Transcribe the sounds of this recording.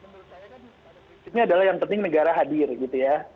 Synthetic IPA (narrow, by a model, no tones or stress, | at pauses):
isit̪̚ɲaːdalahjaŋpənt̪ɪŋnəɡaɾaɦadɪrɡit̪uja